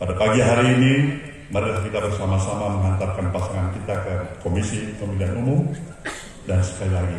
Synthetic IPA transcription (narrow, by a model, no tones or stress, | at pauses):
padapaɡiɦaɾiːni | məɾilahkit̪abərsamasamaməŋant̪arkanpasaŋankit̪akəkomisikəmidianumum | dansə̥kalilaɡi